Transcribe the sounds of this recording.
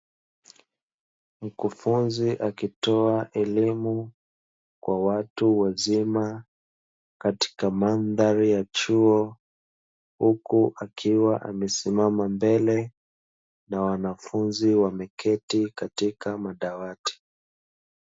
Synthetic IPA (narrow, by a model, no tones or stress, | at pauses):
m̩kufunziʔakitɔaʔɛlimu | kwawatuwazima | kati̥kamanðaɾijat͡ʃuɔ | hukuʔakʰiwaʔa̰mɛsimamambɛlɛ | nawanafunziwamɛkʰɛtikatikamaɗawati̥